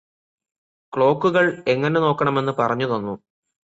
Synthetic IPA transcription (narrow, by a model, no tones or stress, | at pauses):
kɭo̞ːkːuɣɐɭe̞ŋːɐne̞no̞ːkːɐɳɐme̞nːɨpɐrɐɲːuðonːu